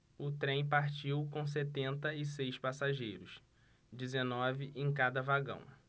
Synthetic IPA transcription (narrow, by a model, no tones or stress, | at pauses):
ʊt̪ɾẽj̃paɾt͡ʃiwkõw̃s̬et̪ẽnt̪ɐɪsejspasaʒejɾʊs | d͡ʒizenɔvɪʔẽj̃kad̪ɐvaɡɐ̰̃w̃